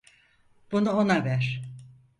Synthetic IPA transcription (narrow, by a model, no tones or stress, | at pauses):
b̥unuonavæɾ